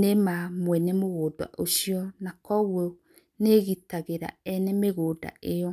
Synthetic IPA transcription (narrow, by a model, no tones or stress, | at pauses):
nemamwɛnɛmoɣoːdwa̰ʔoɕiɔnakɔɣwɔ | neɣitaɣeɾa̰ɛnɛmeɣoːda̰ʔejɔ